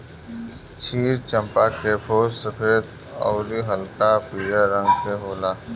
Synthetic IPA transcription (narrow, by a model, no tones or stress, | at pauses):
t͡ʃʰiːɾt͡ʃə̃mpakepʰoːsəpʰeːt̪ | ɔ̰ːɾiɦəlkapiːɾəɾə̃ŋɡseɦoːlaː